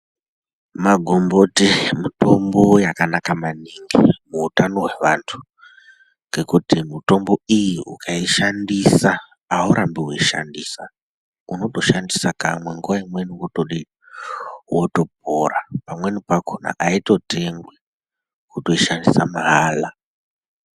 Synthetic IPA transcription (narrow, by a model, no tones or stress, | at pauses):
maɡʱombotimuto̞mbo̞jakanakamaniŋɡḭmuːtano̞ɦwe̞ʋantʰu̥ | ŋɡe̞kutimuto̞mbo̞ijiṵkʰaiʃandisaː | uɾʔambiweiʃa̰ndisa̰ | uno̞to̞ʃandisaka̰mwe̞ŋɡuʋaimwe̞niwotoɗi | woto̞p̚oɾapamwe̞nipakona̰ʔaito̞te̞ŋɡwe | kuto̞iʃandisamaɦaːla